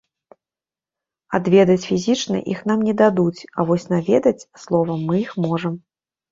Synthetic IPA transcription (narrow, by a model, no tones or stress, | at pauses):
ad̪vʲɛd̪ɐt͡sʲfʲizʲit͡ʂnɐ̰ʔḭxnamnʲɛd̪ad̪ut͡sʲɐvɔsʲn̪avʲɛd̪ɐt͡sʲslˠɔvɐmːɨjixmɔʐɐm